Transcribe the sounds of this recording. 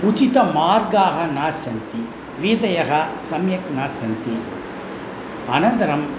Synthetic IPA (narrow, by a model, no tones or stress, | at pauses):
ʊt͡ʃit̪ɐmaːɾɡaːɣɐnaːsɐnt̪i | ʋiːd̪ɐjɐɣɐsɐmjɐknaːsɐnt̪i | ɐnɐnd̪ɐɾɐm